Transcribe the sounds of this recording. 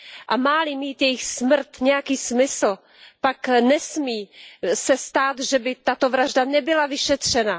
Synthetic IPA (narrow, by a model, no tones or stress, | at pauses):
ʔamaːlɪmiːt̪jɛjɪxsmr̩t̪ɲɛjakiːsmɪsl̩ | paknɛsmiːsɛst̪aːt̪ʒɛbɪt̪at̪o̞vɾaʒdanɛbɪlavɪʃɛt̪r̝̥ɛna